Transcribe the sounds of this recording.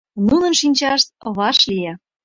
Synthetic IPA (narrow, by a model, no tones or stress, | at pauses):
nunə̆nʃinʲt͡ɕɑʃt̪̚βɑʃlije